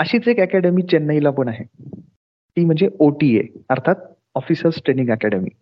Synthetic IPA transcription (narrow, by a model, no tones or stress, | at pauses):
əɕiːt͡sekɛkɛɽemit͡ɕenːəilapənaɦe | k̪iːm̤əɳnd͡zeoʈiḛəɾt̪ʰat̪̚ | ɔfisəɾsʈɾenĩŋɡɛkɛɽemḭː